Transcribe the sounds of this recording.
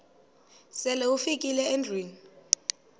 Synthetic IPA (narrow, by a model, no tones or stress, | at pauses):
sɛlɛufikʼilɛɛndriːn